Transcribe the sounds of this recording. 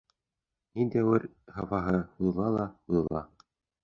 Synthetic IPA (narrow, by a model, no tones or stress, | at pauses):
nind̪æwɘɾ | hɑfɑɦɤulˠɑlˠɑulˠɑ̰